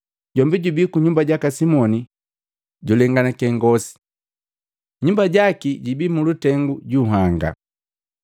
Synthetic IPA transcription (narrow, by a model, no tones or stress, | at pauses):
ɟɔmbiɟubikuɲumbaɟakasimɔni | ɟulɛŋɡanakɛŋɡɔsi̥ | ɲumbaɟakiɟibiːmulutɛŋɡuɟuɦaŋɡa̰